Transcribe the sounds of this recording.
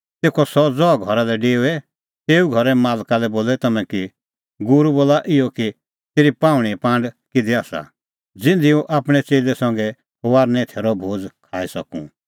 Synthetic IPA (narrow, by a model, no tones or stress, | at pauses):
t̪eːkʰɔsɔd͡zɔɡʱɔɾalɛɖeːuɛ | t̪eːuɡʱɔɾɛmaːlkalɛboːlɛt̪ɐmɛ̃ki | ɡʊɾuboːlaʔɪɔki | t̪eːɾipãːʋɽ̃ipãːɳɖkɪd̪iaːsa̰ | d͡zɪ̃nd̪iũʔaːpɽ̃ɛt͡seːlɛsɐ̃ŋɡɛ | ʋaːɾnɛ̃t̪ʰeːɾɔbʱoːd͡zkʰaːisɐkṵ̃